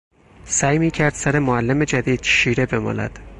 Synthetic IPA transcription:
sæːjmiːcʰæɾd̪̥sæɾe̞moælːeme̞d͡ʒæd̪iːd̪̥ʃiːɾe̞be̞mɒ̰ːlæ̰d̪̥

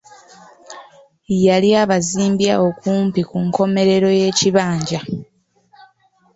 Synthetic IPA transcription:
jaliaːβaziːmbjao̞kuːmpikuŋko̞me̞ɾe̞ɾo̞je̞ːciβaːɲɟa

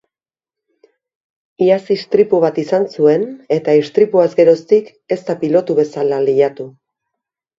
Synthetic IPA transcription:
iasist̪ɾipuβ̞at̪isansue̞ne̞t̪aist̪ɾipuazɡe̞ɾo̞st̪ik | e̞st̪apilo̞t̪uβe̞salaliʎat̪u

